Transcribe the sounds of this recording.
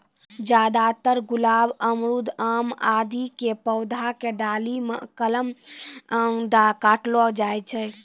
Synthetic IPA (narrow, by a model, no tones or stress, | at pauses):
d͡ʒad̪at̪əɾɡulabəmɾud̪ʱəmad̪ikepəwd̪ʱakeɖalimḛkələm | d̪akaʈlɔd͡ʒajt͡ʃʰɛ